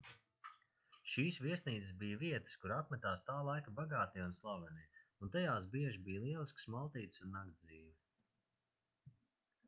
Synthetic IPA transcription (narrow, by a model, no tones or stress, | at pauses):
ʃiːsviɛsniːt̪əsbijviɛt̪ə̥skuɾapmɛt̪aːst̪aːlˠajkabaɡaːt̪iunslˠavɛniunt̪ajaːs̬biɛʒibiːjlˠiɛlˠisksmalˠt̪iːt̪sunːaɡd̪d̪ziːvi